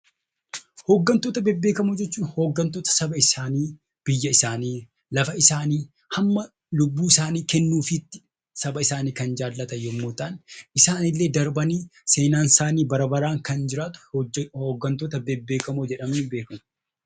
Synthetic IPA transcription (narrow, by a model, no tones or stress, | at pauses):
hoːɡːɐnt̪oːt̪ɐbebːe̞ːkɐmoːd͡ʒɛt͡ʃːuːnhoːɡːɐnt̪oːt̪ɐ̥sɐbɐɪsaːniː | b̥ɪjːɐɪsaːniː | lɐfɐɪsaːniː | hɐmːɐ | lʊbːuːɪsaːniːkɛnːuːfɪt̪ːɪ̥ | sɐbɐɪsaːniːkɐnd͡ʒaːlːɐt̪ɐjɔmːoːt̪anɪsaːnɪlːe̞ːd̪ɐɾbɐniːse̞ːnaːnsaːniːbɐɾɐbɐɾaːŋkɐnd͡ʒɪɾaːt̪ʊ̥hoːɡːɐnt̪oːt̪ɐbebːe̞ːkɐmod͡ʒɛᶑɐmnɪbe̞ːkɐmɐ